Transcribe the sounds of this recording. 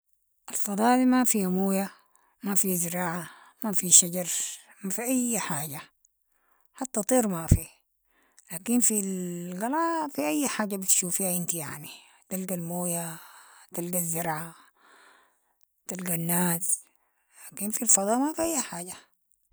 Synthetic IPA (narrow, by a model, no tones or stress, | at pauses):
ʔalfɑd̪ˤɑːʔdimafiamoːja | mafizɪɾɑːʕa | mafiʃaɟɑɾˤ | mafiʔajːħaːɟa | ħat̪ːat̪ˤiːɾmafi | laːkinfilɣɑlɑːfiʔajːħaːd͡ʒabit̪ʃuːfihaʔɪnt̪ija̰ʕni | t̪alɡalmoːjat̪alɡazːɪɾʕa | t̪alɡanːaːs | laːkinfilfɑd̪ˤɑːʔmafiʔajːaħaːɟa